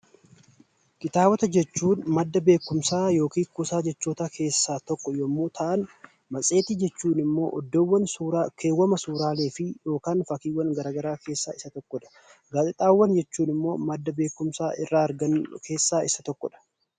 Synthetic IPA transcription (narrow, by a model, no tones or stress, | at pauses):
kɪt̪aːwɐt̪ɐd͡ʒɛt͡ʃːuːnmɐd̪ːɐbe̞ːkːʊmsaːjo̞ːkiːkʊsaːd͡ʒɛt͡ʃːoːt̪akʰe̞ːsːaːt̪ɔkːɔjɔmːuːt̪ʰɐʔɐn | mɐt͡sʼe̞ːt̪ɪd͡ʒɛt͡ʃːuːnɪmːo̞̰ːʔɔd̪ːɔwːɐnːkʰe̞ːwːɐmɐsuːɾaːle̞ːfɪjo̞ːkaːnfɐkiːwːɐnɡɐɾaːɡɐɾaːke̞ːsːa̰ːɪsɐt̪ɔkːɔᶑɐ̥ | ɡaːt̪ʼɪt̪ʼaːwːɐnd͡ʒɛt͡ʃːuːnɪmːo̞ːmɐd̪ːɐbe̞ːkːʊmsaːʔɪrːaːɐɾɡɐnkʰe̞ːsːaːʔɪsɐt̪ɔkːɔᶑɐ̥